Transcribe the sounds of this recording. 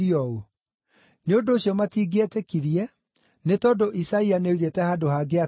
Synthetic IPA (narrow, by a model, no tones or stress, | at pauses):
ɔo | neondoːɕjɔmatiːɡetekiðiɛ | netɔːndoʔisaianeuɣetɛhadohaɡea